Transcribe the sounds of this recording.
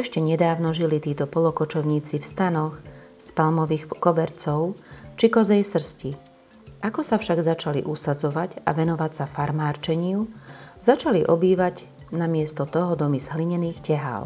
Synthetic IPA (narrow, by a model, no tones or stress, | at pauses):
ɛʃcɛɲɛd̪aːʊnɔʒilit̪iːt̪ɔpɔlɔkɔt͡ʃɔʊɲiːt͡sifst̪anɔx | spalmɔʋiːxkɔbɛɾt͡sɔʊt͡ʃikɔzɛjsr̩sci | ʔakɔsafʃaɡzat͡ʃalḭʔusad͡zɔʋaɟa̰ʋɛnɔʋacsafaɾmaːɾt͡ʃɛɲɪuzat͡ʃaliʔɔbiːʋaɟ | namɪɛst̪ɔt̪ɔɦɔd̪ɔmizɦliɲɛniːxcɛɦa̰l